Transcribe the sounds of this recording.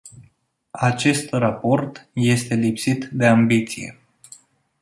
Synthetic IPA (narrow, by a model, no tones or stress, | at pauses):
at͡ʃe̞st̪rapo̞rt̪je̞st̪e̞lipsit̪d̪e̞ambit̪sije̞̰